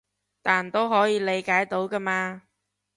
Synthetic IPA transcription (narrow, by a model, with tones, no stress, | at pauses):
t̪aː˨nt̪o˥wɦɔː˨˥jiː˨˧le˨˧jkaː˨˥jt̪o˨˥wka˧maː˧